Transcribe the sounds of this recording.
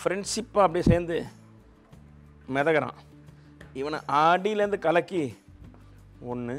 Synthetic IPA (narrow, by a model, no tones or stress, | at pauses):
fɾɛɳɖʂɪpːaːɐpːɐɽiseːɾnd̪ɯ | mɛðɐkːɐɾã̰ː | ɪʋɐnɐ̰ʔaːɽiɪlɐɾɯnd̪ɯkɐlɐkːi | ɔnːɯ